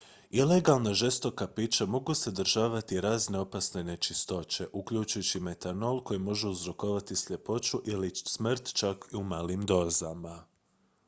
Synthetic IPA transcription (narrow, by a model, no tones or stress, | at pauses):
ile̞ɡalˠnaʒe̞st̪o̞kapit͡ʃamo̞ɡuse̞d̪r̩ʒaːʋat̪iɾaːzneopasne̞ne̞t͡ʃist̪o̞t͡ʃe̞ʔukʎut͡ʃujut͡ɕime̞t̪ano̞lˠko̞jimo̞ʒeuzɾo̞koʋat̪isʎʲe̞po̞t͡ʃuʔilismr̩t̪t͡ʃakiumaːlimd̪o̞ːzama